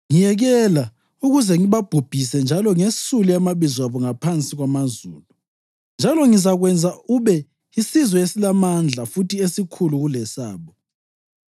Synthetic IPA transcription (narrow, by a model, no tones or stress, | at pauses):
ŋijɛɣɛla | uɣuzɛŋiβab̥ʱub̥ʱis̬ɛnd͡ʒʱalɔŋesuliamaβizwaβɔŋapʰant͡sʼiɣwamazuːlu | nd͡ʒʱalɔŋizaɣwɛnd͡zʱauβɛ | isizwɔesilamand͡ɮʱafutʰiesikʰuluɣulɛsa̰ːβɔ